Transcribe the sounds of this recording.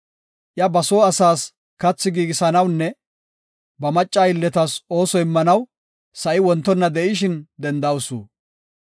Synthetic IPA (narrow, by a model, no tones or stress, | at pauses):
ʔjɐbɐsoːɐsaːs | kɐt͡sːɪɡiːɡɪsɐnɐwnːɛ | bɐmɐt͡ʃʼːaːɪlːɛt̪ɐso̞ːsɔɪmːɐnɐw | sɐʔɪwɔnt̪ːɔnːɐd̪ɛʔɪʃɪnd̪ɛnd̪ɐwʊsṵː